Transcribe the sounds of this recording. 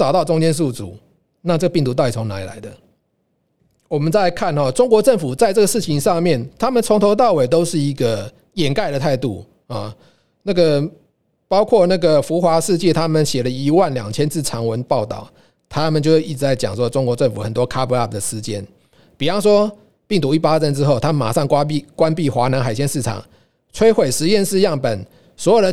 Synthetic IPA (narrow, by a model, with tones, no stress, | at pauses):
t͡sɑ˨˩ʊt̪ɑ˥˩ʊʈ͡ʂʊ˥ŋt͡ɕjɛ˥ns̬u˥˩t͡sṵ˨˩˦ | na˥˧t͡sə˥˩ɡə˩pi˥˩ŋt̪u˧˥t̪ɑ˥˩i˨˩t͡sʰo˧˥ŋna̰˧˥i˨la̰˨˧˦ɪd̪ə˨ | wɔ˨˩mə˨˦nt͡sa˥˧ɪkʰa˥˩nhɔ˨˩ʈ͡ʂʊ˥ŋkwɔ˧˥ʈ͡ʂə˥˩ŋfu˨˩t͡sa˥˧ɪʈ͡ʂɤ˥ɡə˩ʂɻ̩˥˩t͡ɕʰi˧ŋʂɑ˥˧ŋmjɛ˥˩nt̪ʰa˥mə˨nt͡sʰʊ˧˥ŋt̪ʰo˧˥t̪̬ɑ˥˩ʊwe˨˩ɪt̪o˥ʊʂɻ̩˥˩i˧˦˥ɡə˨ | jɛ˨˩nka˥˩ɪɾə˨t̪ʰa˥˧ɪt̪ṵ˥˩ | a˨˩ | na˥˩ɡə˨˩ | pɑ˥ʊkʰwɔ˥˧na˥˩ɡə˩fu˧˥xwa˧˥ʂɻ̩˥˧t͡ɕjɛ˥˨t̪ʰa˥mə˨nɕjɛ˨˩lə˨i˧˥wa˥˨˩nljɑ̰˨˩ŋt͡ɕʰjɛ˥nt͡s̩˥˩ʈ͡ʂʰɑ˧˥ŋwə˧˦npɑ˥˧ʊt̪ɑ̰˥˨˩ʊ | t̪ʰa˦mə˨nt͡ɕjʊ˥i˥˩ʈ͡ʂɻ̩˧˥t͡sa˥˩ɪt͡ɕjɑ̰˨˩ŋswɔ˥˩ʈ͡ʂʊ˥ŋkwɔ˧˦ʈ͡ʂə˥˩ŋfu˨˩xə˨˩nt̪wɔ˥kʰa˥pə˧˦a˥˩d̪ə˩ʂ̩˧˥t͡ɕjɛ˥˩n | pi˨˩fɑ˥˧ʊʂ̬wɔ˥ | pi˥˩ŋt̪u˧i˥˩pa˥t͡sə˥nʈ͡ʂɻ̩˥xo˥˩ʊt̪ʰa˥mə˨nma̰˨˩ʂɑ˥˩ŋkkwa˦npi˥˨xwa˧˥na˧˥nxa˨˩ɪɕ̬ʰjɛ˥˧nʂɻ̩˥˩ʈ͡ʂʰɑ̰˨˩˦ŋ | t͡sʰwe˥ɪxwe˨˩ɪʂɻ̩˧˦jɛ˥˧nʂɻ̩˥˧jɑ˥˩ŋpə˨˩n | swɔ˧˥jo˨˩d̪ə˧